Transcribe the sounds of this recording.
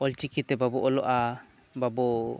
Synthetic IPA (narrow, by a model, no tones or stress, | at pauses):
ɔlt͡ʃikit̪ɛbabɔʔɔlɔʔa | babɔ